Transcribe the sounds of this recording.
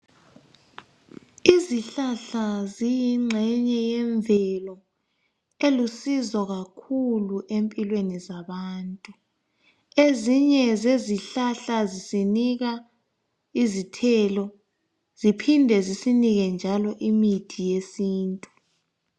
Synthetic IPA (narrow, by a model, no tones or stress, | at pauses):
iziɬaɬazijiŋ͡ǁʱɛɲɛjɛɱvɛlɔ | elusizɔɣakʰuluʔempʼilwenizaβaːntʼu | eziɲɛzeziɬaɬazisiniɣa | izitʰɛlɔ | z̥ipʰindʱɛzisiniɣɛnd͡ʒʱalɔʔimidʰʱijesiːntʼu